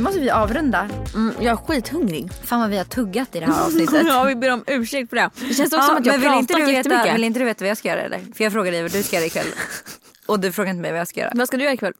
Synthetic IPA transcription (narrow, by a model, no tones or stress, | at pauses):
mɔst̪əbliːʔɑːvɾɵnd̪am̩ːjɑːæɧiːt̪hɵŋɾɪ̰ɡfaːnvavɪhaʈʰɵɡːat̪ɪd̪ɛæːɾɑ̰ːsnɪt̪ːəvɪbeːɾɔmʉ̟ːʂɛk̚t̪̚pɔd̪ɛd̪ɛɕɛns̬ɔkɔsɔmat̪jmɛnvɪlːɪnt̪əd̪ɛeːt̪ːəvɪlɪnt̪əd̪ɵʉveːt̪avajɑːskajœːɾa̰hɛ̰lːʔə̰ɾfœjɑːɡfɾoːɡaɖɛjvad̪ʉskajœːɾɛɪkʰvɛ̰lː | ɔd̪ɵfɾoːɡaɪnt̪əmɛ̰jvajɑːskajœ̰ːɾa̰vaskad̪ɵjœːɾaɪkvɛl